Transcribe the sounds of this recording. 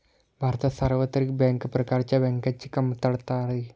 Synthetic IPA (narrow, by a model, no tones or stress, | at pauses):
bʱaːɾt̪asaːɾʋət̪ɾik̚bɛŋkpɾɐkaɾt͡ʃabeŋkɐt͡ʃːikɐmt̪ɐɽt̪aːɾɐi